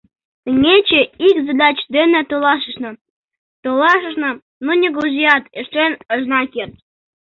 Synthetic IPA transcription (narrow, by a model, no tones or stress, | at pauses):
t̪ə̆ŋʲet͡ɕĕikzɑd̪ɑt͡ɕd̪enĕt̪olɑʃəʃnɤ̆ | t̪olɑʃ̬ə̆ʃnɤ̆ | nonʲeɡoʒijɑt̪eʃenəʒnɑkert̪̚